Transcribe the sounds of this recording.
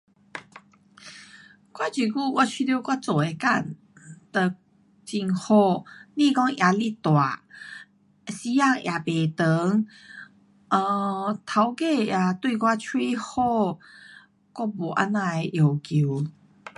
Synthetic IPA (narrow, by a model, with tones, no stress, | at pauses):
kwa˦t͡ɕi˨˩ku˥˧˨kwa˦˧t͡ɕʰwi˧d̪jo˧kwa˦t͡so˨˩e˧ka˥˧˩n | t̪ə˧˨˩ | t͡ɕi˧ŋhɔ˧˩lĩ˥˧˨kɔ˦ŋjʔa˨˧˦li˦˧˨t̪wa˨˩ | si˧˦a˥˧˨ŋja˨˩be˨˩t̪ə˨˦ŋ | ə˧˩t̪ʰa˨˧wke˥˧˨ja˨˩t̪wi˥˧kwa˦˧t͡ɕʰwi˦hɔ˥˧ | kɔ˦bo˨˩ʔa̰˧˦nːã˧˩e˧ʔjo˨˩ki˨